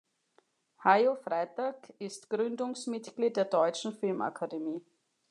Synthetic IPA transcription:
haɪofʁ̥aɪtaːkɪstɡ̥ʁʏndʊŋsmɪtɡ̥liːt̚d̥eːɐdɔʏt͡ʃn̩fɪlmʔa̰kʰademiː

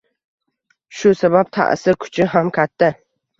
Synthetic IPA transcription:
ʃʊsabap̚t̪ʰa̰ʔsɪɾkʰʊ̥t͡ʃʰɪɦamkʲʰat̪ʰːa

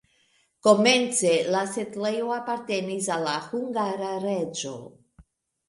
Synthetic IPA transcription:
ko̞me̞nt͡se̞lasetlejoapaɾte̞nis̬alːahuŋɡaɾaɾe̞d͡ʒo̞̰

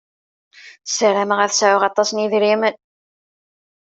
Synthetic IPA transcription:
səɾæməʁæθsʕʊʁɑt̪ˤːɑsniðɾimən

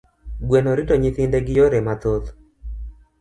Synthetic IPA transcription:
ɡwenoɾitoɲɪθɪndeɡɪjoɾemat̪ot̪

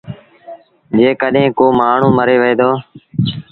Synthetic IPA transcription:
d͡ʒeːkəɗɦẽːkoːmaːɳ̤ũːməɾeːʋəeːd̪oː

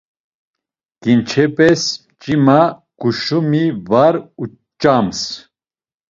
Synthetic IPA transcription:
kint͡ʃʰɛpʼɛs | t͡ʃʼimaɡ̥uʃumivaɾu | t͡ʃʼams

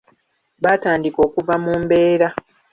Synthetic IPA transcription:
βataːndiko̞ːkuvamuːmbe̞ːɾa

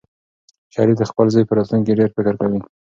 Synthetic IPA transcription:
ʃɑɾid̪əxpəlzɑjpəɾɑt̪luŋk̬eɖeɾfɪkəɾkawi

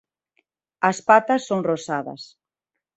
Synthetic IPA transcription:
ɐspat̪ɐsːoŋrosaðɐ̰s

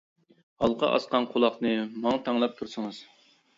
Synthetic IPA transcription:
hɑlˠqʰɑ̰ʔɑ̰sqɑnqʰolˠɑqnɨmɑŋɑt̪ʰɑŋlˠɑp̚t̪ʰuɾsɨŋɨz̥

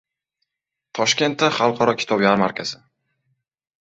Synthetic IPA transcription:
t̪ʰɒʃkʲe̞nt̪ːaχɑlˠqʰɒɾɒkʲʰɪ̥t̪ʰɒbjaɾmaɾkʲaz̥ɪ

